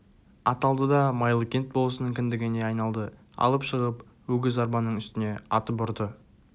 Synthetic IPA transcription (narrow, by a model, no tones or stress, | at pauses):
ɑt̪ɑlˠd̪əd̪ɑmɑjlˠəkʲe̞nt̪̚bo̞lˠəsənəɴkʲʰɪnd̪ɪɡʲɪne̞ɑjnɑlˠd̪ə | ɑ̰lˠəpʃəʁəp | wɵɡʲɪzɑɾbɑnːəɴʏst̪ɪne̞ɑ̰t̪əpʊɾd̪ə